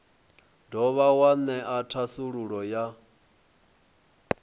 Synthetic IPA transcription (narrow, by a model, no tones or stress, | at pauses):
dɔβawanɛʔatʰasuɺuɺɔja